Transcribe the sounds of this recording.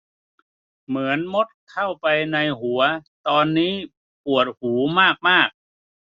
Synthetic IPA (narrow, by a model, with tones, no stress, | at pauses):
mɯ˩˦ənmo˦˥t̪̚kʰa˥˩wpa˧jna˧jɦu˩˦ɐt̪ɔː˧nːiː˦˥ | pu˨˩ət̪̚huː˩˦maː˥˩k̚maː˥˩k̚